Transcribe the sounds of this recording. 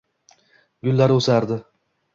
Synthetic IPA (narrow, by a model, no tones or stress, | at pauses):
ɡʲʊlːaɾɵsaɾd̪ɪ